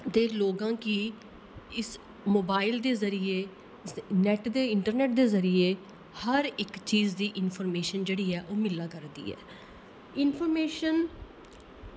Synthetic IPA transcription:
t̪eːloːɡãːkiː | ɪs | moːbaːɪld̪eːzəɾiːeː | nɛːʈd̪eːɪɳʈəɾnɛːʈ̚d̪eːzəɾiːeː | həɾɪkt͡ʃiːd͡ʒd̪iːʔɪnpʰoːɾmeːʃənd͡ʒeːɽiːɛːʔoːmɪlːaːkəɾd̪ḭːɛ̰ː | ɪnpʰɔːɾmeːʃən

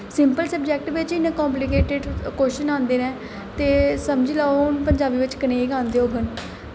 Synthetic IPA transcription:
sɪmpəlsəb̚d͡ʒɛːk̚ʈʋɪt͡ʃɪnẽːkɔ̃ːmplɪkeːʈɪɖkoːʃənãːnd̪eːnɛ̃ː | t̪eːsəmd͡ʒiːlaːoʊnpəɲd͡ʒaːbiːʋɪt͡ʃkəneːɡãːnd̪eːoːbʱən

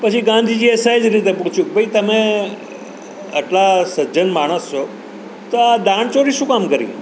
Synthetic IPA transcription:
pət͡ʃʰiɡãnd̪ʱid͡ʒiɛsaid͡ʒɾit̪̬epuɽt͡ʃʰjũk̚bʱəit̪əme | əʈlasəd͡ʒənmaɽ̃əst͡ʃʰo | t̪oad̪aɳ̃t͡ʃoɾiʃũkamkəɾḭ̃

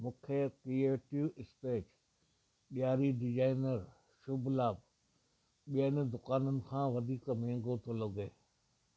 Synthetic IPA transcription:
mũːkʰekɾieːʈiʋɪsʈeːt͡ʃ | ɓijaːɾiɖɪd͡ʒaːɪnəɾ | ʃʊbʱlaːb | ɓiən̆d̪ʊkaːnənɪ̆kʰãːʋɐd̪ʱiːkmẽːŋɡot̪ʰolɐɡeː

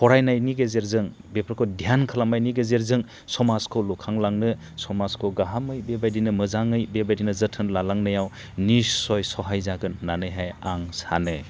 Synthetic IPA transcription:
pʰɔɾajnajniɡezeɾzɯŋ | bepʰɾkʰɔdijankʰalamajniɡezeɾzɯŋ | sɔmaskʰɯwlukʰaŋlaŋnɯ | sɔmaskʰɯwɡaɦamɯjbebajdinɯmɯzaŋɯjbebajdinɯzɯtʰɯnlalaŋnɯjaw | nisːɔjsɔɦajzaɡɯnːanɯjɦajaŋsa̰nɯ

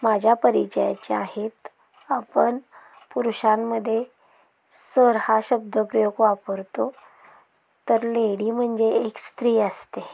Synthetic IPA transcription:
mad͡ʑʱjapəɾit͡ɕəja̰t͡ɕeaɦet̪ | apəɳ | puɾuɕamːəd̪ʱːje | səɾhaɕəb̚d̪ʱəpɾəjoɡʋapəɾt̪o | t̪əɾleɽiːm̤əɳd͡zeekst̪ɾiːəst̪e

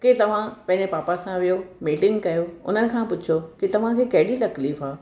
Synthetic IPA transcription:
kɪt̪ɐʋ̤ãpɐ̃ɦɪ̃ɲd͡ʑepaːpasãʋijomiːʈɪ̃ŋɡkɐjoʊ̰n̤ənɪ̆kʰãpʊd͡ʑʱʰokɪt̪ɐʋ̤ãkʰeːkɐɦɪɽit̪ɐkliːfaː

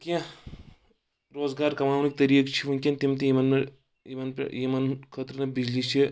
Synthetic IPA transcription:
kʲiẽ | ɾoːzɡaːɾkɐmaːʋnik̚t̪ɐɾiːəkt͡ʃʰimunkʲint̪imt̪ijimɐnme | jimɐnpjimɐnkʰəːt̪ɾnɐbid͡ʒlit͡ʃʰi

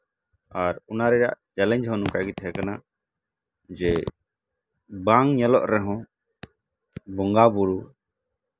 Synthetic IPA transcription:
aɾunaɾɛɾa̰ʔt͡ʃɛlɛ̃ɲd͡ʒɦɔ̃nũkaɡit̪ɦɛkana | d͡ʒɛ | bãŋɲɛlɔʔɾɛɦɔ̃ | bɔŋɡabuɾu

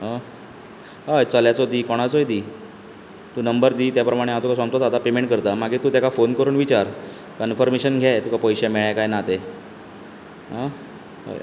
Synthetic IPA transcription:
ɦa | ɦajt͡səljat͡sod̪iːkɔɽ̃at͡sojd̪iː | t̪uːnəmbəɾd̪iːt̪japɾəmaɽ̃aat̪ukasãmt̪ot̪at̪apemeɳʈ̚kəɾt̪amaɡiːt̪uːt̪jakafonkəɾuːnʋit͡ɕaɾ | kənfəɾmeɕənɡʱjajt̪ukapəjɕameɭjakajnat̪e | ɦa | a̰

